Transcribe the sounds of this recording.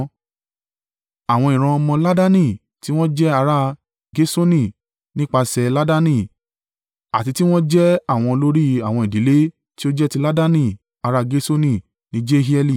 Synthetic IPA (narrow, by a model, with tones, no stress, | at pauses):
a˨w̃ɔ̃˧ĩ˨ɾ̃ã˧mɔ̃˧la˦da˦nĩ˦˨ | ti˦w̃ɔ̃˦d͡ʒɛ˦a˧ɾa˦ | ɡe˦so˦nĩ˦˨ | nĩ˦k͡pa˧sɛ˧la˦da˦nĩ˦˨ | a̰˨ti˧ti˦w̃ɔ̃˦d͡ʒɛ˦a˦˨w̃ɔ̃˧lo˦ɾi˦a˨w̃ɔ̃˧˨i˨di˨˦le˦ | ti˦o˦d͡ʒɛ˦ti˧la˦da˦nĩ˦˨ | a˧ɾa˦ɡe˦so˦nĩ˦˨ | nĩ˨˦d͡ʒe˦ɦi˦ɛ˦li˦˨